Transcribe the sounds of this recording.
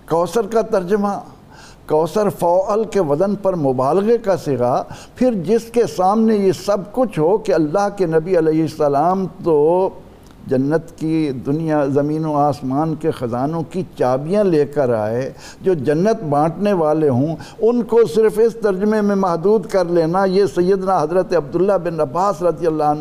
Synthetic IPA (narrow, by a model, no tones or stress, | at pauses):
kɔːsəɾkat̪ɐɾd͡ʒəma | kɔːsəɾfɔːʔlkeʋɐd̪ənpɐɾmʊbaːlɣekasɪɣapʰɪɾd͡ʒɪskesaːmnejesɐbkʊt͡ʃʰɦokeɐlːaɦkenɐbiɐlɛːɦɪsːəlaːmt̪o | d͡ʒɐnːət̪kid̪ʊnijazɐmiːnoaːsmaːnkexɐzaːnõkit͡ʃaːbijãleːkəɾa̰ːeː | d͡ʒoːd͡ʒɐnːət̪bãːʈneʋaːleɦũʊnkosɪɾfɪst̪ɐɾd͡ʒʊmemẽmɐɦd̪uːd̪kɐɾleːnajesɐjːəd̪naɦɐzɾət̪eɐb̚d̪ʊlːabɪnɐbaːsɾɐd̪ijəlːaːn